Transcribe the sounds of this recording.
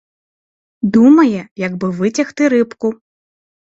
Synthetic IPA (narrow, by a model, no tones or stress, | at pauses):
d̪umɐjɛjɐɡbɨvɨt͡sʲɐxt̪ɨɾɨpku